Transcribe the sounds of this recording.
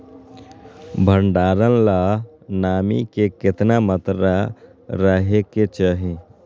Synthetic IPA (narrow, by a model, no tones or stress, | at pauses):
bʱəɳɖaːɾənla | naːmḭkekɪt̪namət̪ɾa | ɾəɦeket͡ʃaɦi